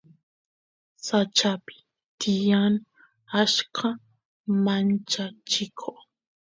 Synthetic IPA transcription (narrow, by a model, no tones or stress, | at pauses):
sat͡ʃapɪ̥ | t̪ɪjan | aʃkʰa | mant͡ʃat͡ʃɪkʰo